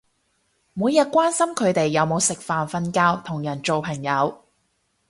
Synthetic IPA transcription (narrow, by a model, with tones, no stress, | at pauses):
muː˨˧jɐ˨t̚kʷaː˥nsɐ˥mkʰɵ˨˧ɥt̪e˨jːɐ˨˧wmo˨˧wsɪ˨k̚faː˨nfɐ˧nkaː˥wt̪ʰʊ˨˩ŋjɐ˨˩nt͡ʃo˨wpʰɐ˨˩ŋjɐ˨˧w